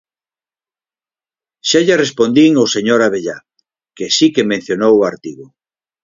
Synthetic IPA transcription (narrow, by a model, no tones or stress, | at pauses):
ʃaʎarespond̪iŋoseɲoɾaβeʎa | kesikemẽn̟θjonowaɾt̪iɣʊ